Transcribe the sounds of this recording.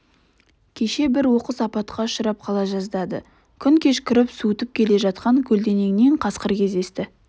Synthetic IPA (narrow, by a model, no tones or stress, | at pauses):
kʲʰe̞ʃe̞bɪɾwo̞qəsɑpɑt̪qʰɑʊʃəɾɑp̚qʰɑlˠɑʒɑzd̪ɑd̪ə̰ | kʲʰʏŋkʲʰe̞ʃkʲʏɾɪpsut̪ɪp̚kʲʰe̞le̞ʒɑt̪̚qɑŋkʲʰɵld̪e̞ne̞ŋɪne̞ɴqʰɑsqəɾkʲʰe̞zd̪e̞st̪ɪ